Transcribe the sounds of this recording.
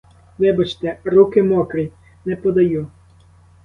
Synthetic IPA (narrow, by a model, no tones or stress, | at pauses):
ʋɪbɐt͡ʃt̪ɛrukɪmɔkɾij | nɛpɔd̪ɐju